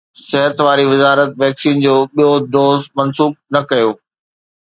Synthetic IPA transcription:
sɛɦət̪ʋaːɾiʋɪzaːɾət̪ʋɛːksiːnd͡ʑoːɓijod̪oːzmɐnsuːb̚nɐkɐjoː

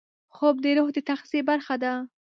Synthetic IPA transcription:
xob̚d̪eɾohd̪ət̪axzibaɾxad̪a

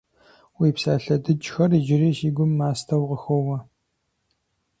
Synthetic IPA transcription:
wiːpsaːɬɐdɨt͡ʃʼxɐrid͡ʒɪriːʃiːɡʷʊmːaːstʰɐwʁəxowɐ

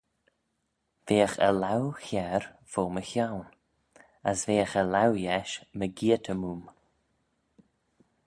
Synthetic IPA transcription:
veːəxə̰lawxɛɹ | v̥oːməçawn | əsveːəxəlawjɛʃməɡiːətʰəmuːm

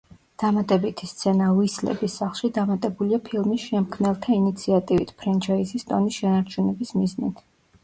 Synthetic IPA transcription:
d̪̥amat̪ʼɛbit̪ʰist̪sʰɛnavislɛ̰bisːaχlˠʃid̪amat̪ʼɛbuliapʰilˠmisʃɛmkʰmnɛlˠt̪ʰainit̪sʰiat̪ʼivḭt̪ʰpʰɾɛnt͡ʃʰaisist̪ʼɔnisʃɛnaɾt͡ʃʰunɛbismiznḭt̪ʰ

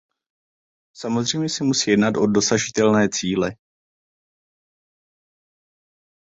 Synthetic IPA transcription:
samo̞zr̝ɛjmɲɛsɪmusiːjɛdnat̪ʔo̞do̞saʒɪt̪ɛlnɛːt͡siːlɛ

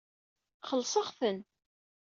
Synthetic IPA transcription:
χəlːsˤɑʁθən

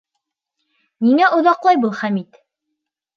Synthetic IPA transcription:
niŋæʔŏðɑqlˠɑjbɤlˠχæmit̪

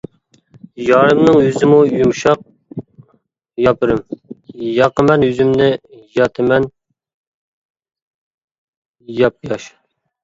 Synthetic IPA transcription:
jɑɾɨmnɨŋjyzɪmujumʃɑq̚ | jɑpʰɨɾɨmjɑqəmɛnjyzymnɪjɑt̪ʰɪmɛn | jɑp̚jɑʃ

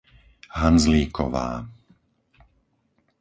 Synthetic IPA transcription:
ɦanzliːkɔʋa̰ː

